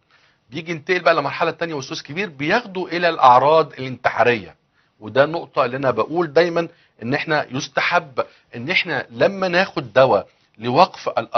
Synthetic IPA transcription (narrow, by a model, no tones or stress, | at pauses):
bejiːɡint̪eʔelbæʔælemɑɾˤħɑlæt̪ænjæwesːoːskebiːɾbejexd̪uʔelælʔɑʕɾˤɑːd̪elʔent̪eʕɑ̰ːɾejːæ̰ | wed̪æːnoʔt̪ˤɑʔelːiːʔænæbæʔuːld̪æjmæn | ʔenːʔeħnæjost̪aħabː | ʔenːʔeħnælæmːænæːxod̪ːæwæ | lewɑqfælʔɑ